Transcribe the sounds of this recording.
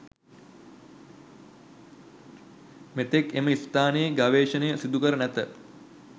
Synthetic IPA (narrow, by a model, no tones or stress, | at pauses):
met̪ekeməist̪aːnəjəɡaʋeːʃənəjəsid̪ukəɾənæt̪ə